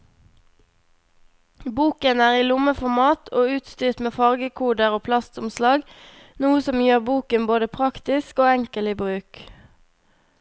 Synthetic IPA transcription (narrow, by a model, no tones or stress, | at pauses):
buːkənæːʁiːlʊməfɔʁmɑːt̪ʰoːʉːt̪st̪yːʁt̪meːfɑʁɡəkʰuːɖəʁoːpʰlɑst̪ʊmslɑːɡ | nuːəsɔmjøːʁbuːkənboːd̪əpʰʁɑkt̪ɪskoːɛŋkəliːbʁʉːk